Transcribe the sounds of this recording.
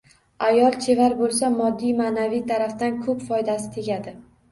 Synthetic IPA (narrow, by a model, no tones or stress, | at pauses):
ajɒlˠt͡ʃʰe̞vaɾbolˠsamɒd̪ːijmaːnavijt̪ʰaɾaft̪ankʰɵpfɒjd̪asɪ̥t̪ʰe̞ɡʲad̪ɪ